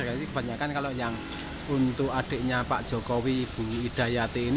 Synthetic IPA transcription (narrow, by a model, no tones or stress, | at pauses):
aikəb̥a̤ɲakankaloʔjaŋ | unt̪ʊkaɖ̥e̤ʔɲapa̰ʔd̥ʒ̥ɔ̤kɔwiːb̥ṳid̪̥a̤jat̪eːn